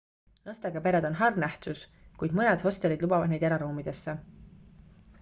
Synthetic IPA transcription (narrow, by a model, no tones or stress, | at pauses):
nɑst̪ɑɡɑpe̞ɾed̪̥o̞nɦɑrnæht̪uskujd̪̥mɤned̪ho̞st̪elid̪lubɑvɑd̪nejd̪eɾɑɾuːmid̪̥e̞sːe